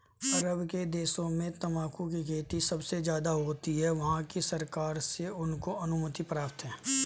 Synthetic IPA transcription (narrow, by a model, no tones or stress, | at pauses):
ɐɾəbked̪eːsõmẽt̪ɐmaːkũk̬ikʰeːʈ̪isɐbsezjaːd̪aɦoːt̪iɦɛʋɐɦãkisɐɾkaːɾseʊnkoɐnʊmət̪ipɾaːpt̪ɦɛ̃ː